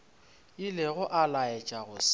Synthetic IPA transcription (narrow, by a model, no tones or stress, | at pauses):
ilɪɣʊʔalaɛt͡ʃʼaɣʊs